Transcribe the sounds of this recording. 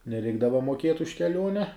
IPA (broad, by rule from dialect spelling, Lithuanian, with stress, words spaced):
nʲɛˈrʲɛɪɡdɐʋɐ moːˈkʲiɛt ʊʃ kʲɛˈlʲuɔnʲɛ